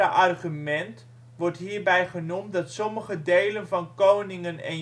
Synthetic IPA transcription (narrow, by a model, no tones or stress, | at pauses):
əʔarχymɛnt | ʋɔrtɦiːrbɛjχənumdɔtsɔməχədeːlənvɔnkoːnɪŋənɛ̰n